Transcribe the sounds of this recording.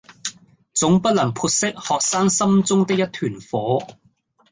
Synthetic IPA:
t͡sʊ˨˥ŋpɐ˥t̚lɐ˨˩ŋpʰuː˧t̚sɪ˥k̚hɔː˨k̚saː˥ŋsɐ˥mt͡sʊ˥ŋt̪ɪ˥k̚jɐ˥t̪ʰyː˨˩nfɔː˨˥

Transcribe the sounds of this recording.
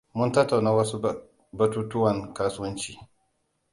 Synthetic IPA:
mʊ˦ntɐ˦tːa˨wnaː˦wɐ˦su˦ | bɐ˦tuː˦tʊ˦wɐ˨ŋkaː˦sʊ˦wɐ˦nt͡ʃiː˨

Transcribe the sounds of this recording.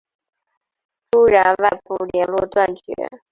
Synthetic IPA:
ʈ͡ʂu˥ɻa˧˥nwa˥˧ɪpu˥˩ljɛ˧˥nlwɔ˥˧t̪wa˥˩nt͡ɕɥɛ̰˧˥

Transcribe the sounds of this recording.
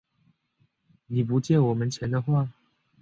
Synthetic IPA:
ni˨˩p̬u˨˧˦t͡ɕjɛ˥˨nwɔ˨˩mə˨nt͡ɕʰjɛ˨˧˦nd̪ə˧xwa˥˨

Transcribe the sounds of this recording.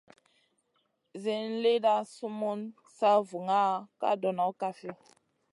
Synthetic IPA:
ze˦n˦le˦da˦su˦mu˦n | sa˦vu˨ŋa˦ka̰˦dɔ˨nɔ˨˦ka˦fi˦

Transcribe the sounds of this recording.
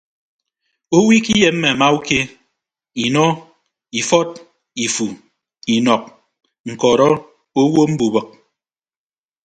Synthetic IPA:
o˦wi˦ki˦je˨m̩˦mɛ˨a˨ma˦u˦ke˦ | i˨nɔ˦ | i˨fɔ˦t̚ | i˨fu˨ | i˨nɔ˨k̚ | ŋ̩˨kɔ˨ɾɔ˦ | o˦wo˦m̩˦bu˨bɨ˨k̚

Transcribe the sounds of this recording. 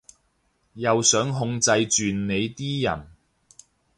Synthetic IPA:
jɐ˨wsœː˨˥ŋɦʊ˧ŋt͡sɐ˧jt͡ʃyː˨nːe˨˧jt̪iː˥jɐ̰˨˩n

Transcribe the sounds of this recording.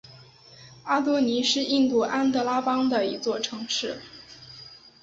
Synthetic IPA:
a˥t̪̬wɔ˥ni˧˥ʂɻ̩˥˧i˥˧nt̪u˥˩ʔa˥nt̪ɤ˥˧la˥pɑ˥ŋd̪ə˨i˧˥t͡swɔ˥˩ʈ͡ʂʰɤ˧˥ŋʂɻ̩˥˩

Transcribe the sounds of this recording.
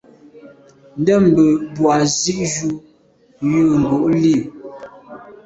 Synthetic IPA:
n̩˦dɛ˦˨m˨bə˨bwa˨zi˦ʔʒu˦ | jə˦˨ŋ̩˨ɡo˨ʔli˦˨

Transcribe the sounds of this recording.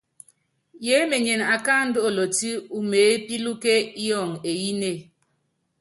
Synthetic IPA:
je˦me˨ɲe˨na˨ka˦n̩˦do˦o˨lo˨ti˦u˨meː˨˦pi˦lu˦ke˦i˦jɔ˨ŋe˨ji˦ne˦˨

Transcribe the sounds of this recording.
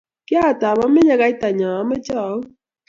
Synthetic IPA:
kɪ˦a˦˨ta˨bɔ˦mɪ˦ɲa˦ɡa˨˦i˦ta˨ɲɔ˨ɔ˨˦mɛ˦t͡ʃɔ˨˦

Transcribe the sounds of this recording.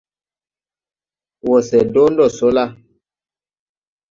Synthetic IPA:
wɔ˨sɛ˨do˦n˦dɔ˦˨so˨˦la˦

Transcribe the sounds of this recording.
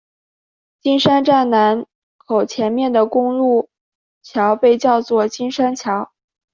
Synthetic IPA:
t͡ɕi˥nʂa˥nʈ͡ʂa˥˩nna˧˥n | kʰo˨˩ʊt͡ɕʰjɛ˧˥nmjɛ˥˩nd̪ə˩kʊ˥ŋlu˥˩ | t͡ɕʰjɑ˧˥ʊpe˥˧ɪt͡ɕjɑ˥˧ʊt͡swɔ˥˩t͡ɕi˥nʂa˥nt͡ɕʰjɑ˧˥ʊ

